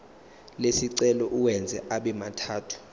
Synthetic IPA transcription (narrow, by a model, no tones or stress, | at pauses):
lesiǀɛlɔʔuwɛnd͡zʱɛʔaɓɛmatʰaːtʰu̥